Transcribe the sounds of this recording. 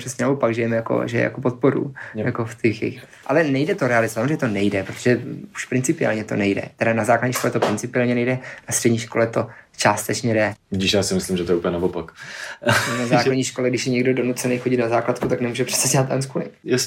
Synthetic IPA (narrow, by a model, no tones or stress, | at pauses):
r̥ɛsɲɛnavopaɡʒɛjɛmɛjako̰ʒɛjɛ̰ja̰kopot̪̚po̞ɾṵjako̞ft̪ɛxjɛx | ʔalɛnɛjdɛt̪oɾɛalɪzasamzreɲɛt̪onɛjdɛpɾot̪o̥ʒɛu̥ʃpɾɪnt͡sɪpɪa̰ːlɲɛt̪o̞̰nɛjdɛ̰t̪ɛdanazaːklaɟɲiːʃko̞lɛt̪opɾɪnt͡sɪpɪaːlɲɛnɛjdɛnast̪r̥ɛdɲiːʃko̞lɛt̪o̞t͡ʃaːst̪ɛt͡ʃɲɛdɛdɪʃjaːsɪmɪslimʒɛt̪oɛupəɲɛnavopak | nonazaːkladɲiːʃko̞lɛɡdɪʃjɛɲɛɡdo̞do̞nut͡sɛnejxoɟɪt̪nazaːklat̪kut̪aknɛmuːʒɛpr̥ɛ̥sɛdɛlat̪ːanskulɪ̰jas